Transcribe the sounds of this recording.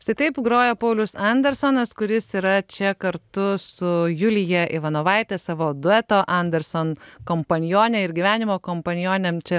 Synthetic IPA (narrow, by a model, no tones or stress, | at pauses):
ɪʃsɐɪt̪ɐɪpɡɾoːjoːpɐʊlʲʊsɐnʲd̪ʲɛɾsoːnɐskʊɾʲɪsiːɾɐt͡ʃʲɛkɐɾt̪ʊsʊjuːlʲɪjɛʔɪʋɐnoːʋɐɪt̪ʲɛsɑːʋoːd̪ʊɛt̪oːʔɐnʲd̪ʲɛɾsoːnkoːmpɐnʲjoːnʲɛɪɾɡʲiʋʲæːnʲɪmoːkoːmpɐnʲɪjoːnʲɛmt͡ʃʲɛ